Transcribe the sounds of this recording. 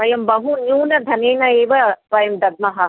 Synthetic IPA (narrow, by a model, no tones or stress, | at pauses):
ɐjɐmbɐɦunjuːnɐd̪ʱɐneːnɐeːʋɐpɐjɐmd̪ɐd̪̚mɐɦɐ